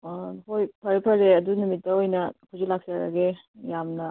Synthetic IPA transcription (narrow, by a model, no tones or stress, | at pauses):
hojpʰɐɾepʰɐɾeɐdunumitːɐojnɐkuzilak̚saɾɐ̰ɡe | jamnɐ